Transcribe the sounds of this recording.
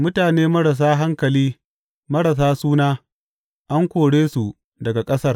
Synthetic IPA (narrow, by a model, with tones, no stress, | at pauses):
mʊ˦taː˨neː˦mɐ˦ɽɐ˨s̬aː˦ɦa˦ŋkɐ˨liː˦ | mɐ˦ɽɐ˨s̬aː˦suː˦naː˦ | ʔa˦ŋkʷoː˨ɽeː˦su˨ | dɐ˨ɡa˨kʼɐ˦sɐ˦r